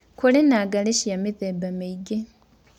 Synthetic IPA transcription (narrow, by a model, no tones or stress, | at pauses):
kolenaɡaleɕijamiðebameiɡe